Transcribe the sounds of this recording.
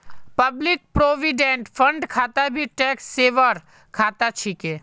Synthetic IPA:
pəblik̚pɾoːʋiɖẽɳʈpʰə̃ɳɖkʰaːt̪abʱiʈɛksːeːʋəɾ | kʰaːt̪at͡ʃʰike

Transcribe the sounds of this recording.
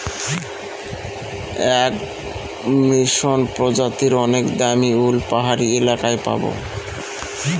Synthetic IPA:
ɛk | miʃonpɾod͡ʑat̪iɾɔnekd̪amiulpaɦaɾielakaepa̰bo̰

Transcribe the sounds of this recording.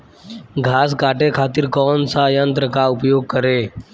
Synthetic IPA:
ɡʱaːs̬kaːʈekʰaːt̪iːɾkɔːnsajənt̪ɾəkaʊpjoːɡ̚kəɾe

